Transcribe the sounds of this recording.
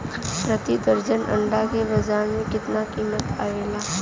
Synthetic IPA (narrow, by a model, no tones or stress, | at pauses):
pɾət̪id̪əɾd͡ʒənɐ̰̃ɳɖakebɐzaːɾmẽkɪt̪nakiːmət̪a̰ːeːlaː